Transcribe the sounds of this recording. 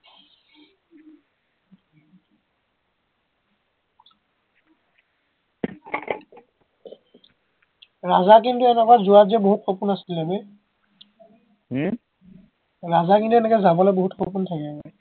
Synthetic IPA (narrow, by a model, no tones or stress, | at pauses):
ɹazakintuɛnɛkazuaziɛboɦutxʰopunasilɛbɛ | ɹazakintuɛnɛkɛzabɔlɔjboɦutxopuntʰakɛmɛ